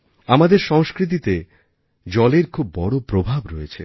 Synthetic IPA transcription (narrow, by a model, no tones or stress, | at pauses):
amad̪eɾʃɔŋskɾit̪̬it̪e | d͡ʑɔleɾkʰubːɔɽopɾobʱabɾɔjet͡ɕʰḛ